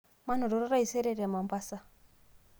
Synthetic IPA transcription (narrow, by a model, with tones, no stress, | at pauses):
ma˦nɔ˨ɾɔ˨ɾɔ˦ɾa˦i˨se˦ɾe˦ɾma˨m˨ba˦sa˦